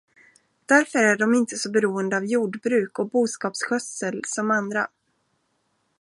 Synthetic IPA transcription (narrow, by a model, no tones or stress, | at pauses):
d̪̥æɾfœɾæɖɔmɪnt̪əsɔbɛɾuːənd̪əavjuːɖbɾʉ̟ːkɔk̚buːskɑːpsɧœsəlsɔmand̪ɾa̰